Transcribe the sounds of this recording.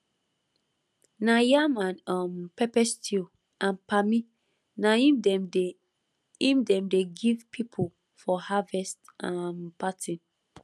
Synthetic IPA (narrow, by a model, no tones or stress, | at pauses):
najamãnɔmpɛpɛstʰi | ãnpami | naid | ĩmdɛ̃mdeɡivpʰipʰol | fɔhavɛstampatʰĩn